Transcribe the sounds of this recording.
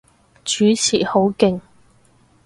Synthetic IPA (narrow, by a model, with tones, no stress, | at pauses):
t͡ʃyː˨˥t͡sʰḭː˨˩ho˨˥wkɪ˨˧ŋ